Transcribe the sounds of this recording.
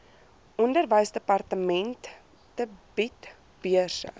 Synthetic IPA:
ʔɔndərvəjsdəpɐrtəmɛntː | əbit | b̥iərsə̰

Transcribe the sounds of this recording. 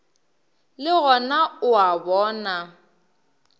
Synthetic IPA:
lɪɣɔnaʊabɔːna

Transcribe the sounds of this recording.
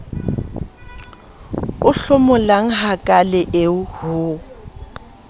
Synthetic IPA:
ʊɬʊmʊlaŋ̩ɦakʼalɪʔeʊhʊ

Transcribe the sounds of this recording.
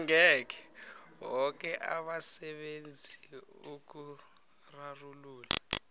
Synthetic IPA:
ŋɛk̬ɛ̥ɦɔk̬ʼɛʔa̰ɓasɛɓend͡zʱiuk̬u | raruluːlɛ

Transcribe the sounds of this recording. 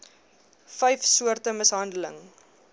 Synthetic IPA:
fɛjfsuərtəməsɦɐndələ̰ŋ

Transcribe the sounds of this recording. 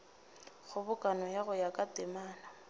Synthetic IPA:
χʊbʊkʼanɔjaɣʊjakʼatʼɪmaːna

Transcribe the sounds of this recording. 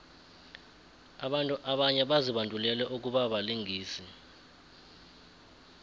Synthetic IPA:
aɓantʼuʔaɓaɲɛɓaziɓandʼʱulɛlɛʔuk̬uɓaɓaliŋiːsi

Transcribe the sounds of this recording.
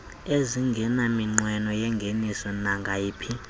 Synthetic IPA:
eziŋɡʱɛnamiŋ͡ǀwɛnɔjɛŋɡʱenisɔnaŋɡʱajiːpʰi

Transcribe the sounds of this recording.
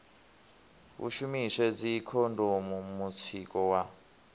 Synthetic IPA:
βṵʃumiʃɛd͡zikʰɔndʱɔmumut͡sʰikɔwa

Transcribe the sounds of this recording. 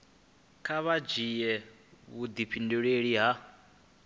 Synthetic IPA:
kʰaβad͡ʒijɛ | βud̪ipʰinduɺeɺiɦa

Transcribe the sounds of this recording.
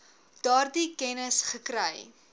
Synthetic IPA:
d̥ɑːrdikɛnəsχəkɾɐj

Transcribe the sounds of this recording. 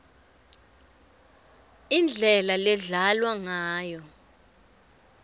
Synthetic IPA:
ind͡ɮʱɛlalɛɮalwaŋaːjɔ

